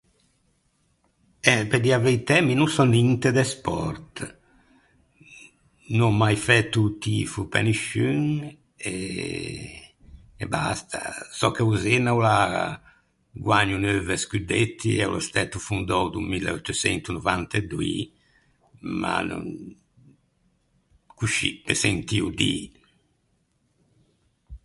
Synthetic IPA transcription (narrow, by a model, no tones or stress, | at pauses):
ɛped̪iavejt̪ɛminusɔnint̪ed̪ɛspɔɾt̪ | nɔmajfɛt̪ːut̪ifupɛ̰niʃyŋ | ɛ | ɛ̰ba̰st̪ʰa̰sɔkːeuzenawla | ɡwaɲːunøvɛskyd̪et̪ːiɛṵlɔst̪ɛt̪ːufund̪ɔwd̪umilːɛɔt̪ːusɛnt̪unuvant̪ɛd̪uḭ | ma̰nṵŋ | kuʃḭpesent̪iud̪ḭ